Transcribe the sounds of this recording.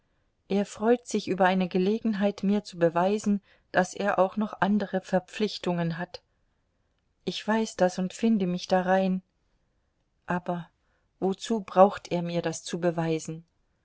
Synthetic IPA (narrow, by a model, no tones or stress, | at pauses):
ʔeːɐfʁ̥ɔʏtz̥ɪçʔyːbɐʔaɪnəɡəleːɡŋ̩ɦaɪtmiːɐt͡subəvaɪzn̩ | d̥asʔḛːɐʔa̰ʊxnɔχʔandəʁəfɛɐp͡flɪçtʊŋənɦat | ʔɪçv̥aɪsd̥asʊntfɪndəmɪçd̥aʁaɪn | ʔaːbɐ | vot͡suːbʁaʊxtʔeːɐmiːɐdast͡subəvaɪzn̩